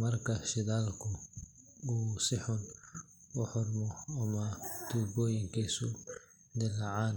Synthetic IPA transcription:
mɐrkʰɐʃɪðaːlkʰʊ | uːsɪħʊn | ʊħʊrmɔɐmɐd̪̥uːbɔːjɪŋkʰiːsʊ | d̪ɪlɐʕaːn

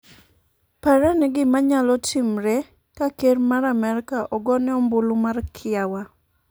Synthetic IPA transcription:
paɾanɛɡɪmaɲalɔtʰɪmɾe | kakermaɾamɛɾɪkaʔɔɡɔnɛɔmbʊlʊmarkʰɪawa

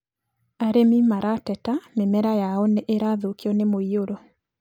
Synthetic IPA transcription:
aɾemimaɾatɛtamemɛɾajaɔneʔeɾaðokiɔnemoioɾɔ

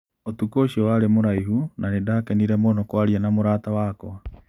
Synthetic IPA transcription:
otukoʃiɔwaɾemoɾaihunanedaːkɛniɾɛmonɔkwaɾianamoɾaːtawakɔ

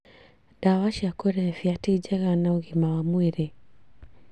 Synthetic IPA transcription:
d̥awaʃiakɛɾɛfiatid͡ʒɛɣanauɣimawamwɛɾɛ

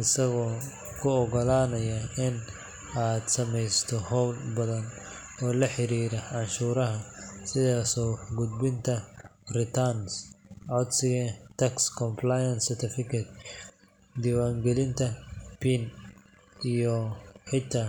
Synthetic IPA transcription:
ɪsɐɣɔː | kʰʊɔɣɔlaːnɐjɐɪn | aːd̪sɐmɛjst̪ʰɔhɔwlbɐðɐn | ɔːlɐħɪɾiːɾɐʕɑnʃuːɾɐɦɐsɪðaːsɔːɡʊd̪̚bɪnt̪ʰɐ | rɪt̪ʰɐnsʕad̪sɪɣɛt̪ʰɐkskʰɔmpʰlajɐnsɛrt̪ʰɪfɪkʰɐt̪̚ | d̪iwaːŋɡɛlɪnt̪ʰɐpʰiːn | ijɔħɪt̪ʰaː

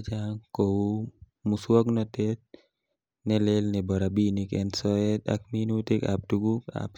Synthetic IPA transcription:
d͡ʒaŋkowu | muswɔknɔt̪et̪̚ | nɛlelnɛbaɾabinikɛnsɔɛt̪a̰k̚minut̪ika̰p̚duɡuka̰p

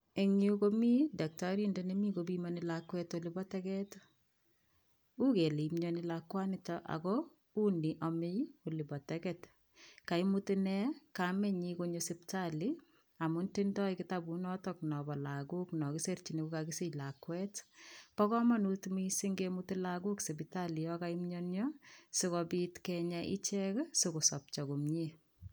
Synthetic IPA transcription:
eŋiukomidɛk̚taɾindenemikobimanɪlakwɛtolɪbɔtɛkɛt | ukelimɲɔnɪlakwanɪtɔʔa̰kɔ | uniʔɔmɪjolɪbɔtɛkɛt | kaimutɪnɛkamɛɲikoɲosɪptalɪ | amuntintɔikɪtabunɔtɔk̚nɔbɔlakuknɔkisert͡ʃinekukakisilakwɛtpɔkɔmɔnutmisiŋɡemutilakuksebitalijɔkaimɲɔnɲɔsɪkɔbitkɛɲaʔḭt͡ʃɛksʊkusɔp̚t͡ʃɔkumɲe

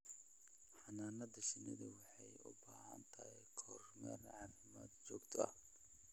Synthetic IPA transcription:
ħɑnaːnɐd̪ɐʃɪnɪðɐwɑħɑjʊ̰baːhɐ̰nt̪ʰɐhɛqʰɔːrmɛ̰rʕɑːfɪmaːd̪t͡ʃɔːɡt̪ʰɔɐ̰h

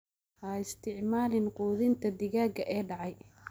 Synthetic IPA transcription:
haːɪst̪ʰɪʕmaːlɪnquːðɪnt̪ʰɐd̪ɪɣaːɡɐʔɛːɖɑʕɑj

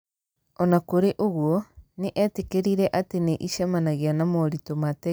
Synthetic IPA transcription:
ɔnakoɾeʔoɣwɔneʔɛtekeɾiɾɛʔateneʔiʃamanaɣeanamɔɾitomatɛ

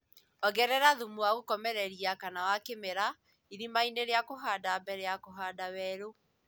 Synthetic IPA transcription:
ɔɣɛɾɛɾaðumuaɣokɔmɛɾɛɾiakanawakemeɾa | iɾimaineɾeakoɦaːdaːmbɛɾeakoɦaːdawɛɾo

